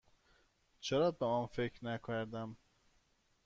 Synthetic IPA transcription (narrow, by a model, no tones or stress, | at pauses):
t͡ʃʰeɾɒːbemænfekʰɾnækʰæɾd̪æm